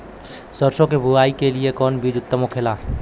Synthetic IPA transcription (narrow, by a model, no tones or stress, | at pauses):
səɾsõkebʱuaikeliekɔːnbid͡ʒʊt̪ːəmokʰela